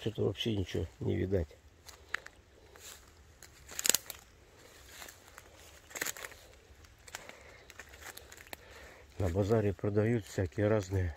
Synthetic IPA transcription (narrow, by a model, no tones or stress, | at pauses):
t͡ɕot̪əvɐ̰pɕːenʲɪt͡ɕonʲɪ̰ʋʲɪ̰d̪atʲ | nəbazaɾʲɪpɾəd̪ɐjut̪fsʲakʲɪjəɾaznɨjə